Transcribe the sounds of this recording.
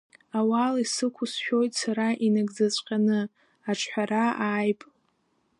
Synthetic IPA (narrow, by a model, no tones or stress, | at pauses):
awalisɨkʷʰʊsʃʲᶣojtʼsaɾaʔinaɡʼd͡zat͡sʷʼqʲʼanɨ | aʈ͡ʂʰħʷᶣaɾaaːjpʼ